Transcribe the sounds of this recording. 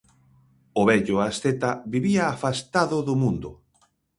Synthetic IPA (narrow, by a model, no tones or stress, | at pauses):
ʊβɛʎʊast̪et̪aβiβiaːfast̪aðʊðʊmũnd̪ʊ